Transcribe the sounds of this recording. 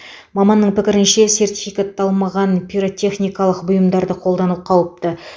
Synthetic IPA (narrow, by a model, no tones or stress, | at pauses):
mɑmɑnːəɴpɪkʲɪɾɪnʃe̞se̞rt̪ʲi̥fijkat̪ːɑlˠmɑʁɑnpʲʰijɾo̞t̪ʰʲe̞χnijkɑlˠəqbʊjəmd̪ɑɾd̪əqʰo̞lˠd̪ɑnup̚qʰɑwəp̚t̪ə